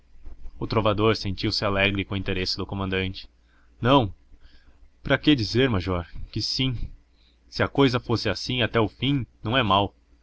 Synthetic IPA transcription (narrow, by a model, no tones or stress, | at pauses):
ʊt̪ɾovad̪oɾsẽnt͡ʃiwsɪalɛɡɾɪkõĩt̪eɾesɪd̪ʊkomɐ̃nd̪ɐ̃nt͡ʃɪ̥ | nɐ̃w̃ | pɾɐkɪd͡ʒizeɾmaʒɔɾkɪsĩ | sɪɐkojzɐfosɪasĩat̪ɛʊfĩnɐ̃w̃ɛmaw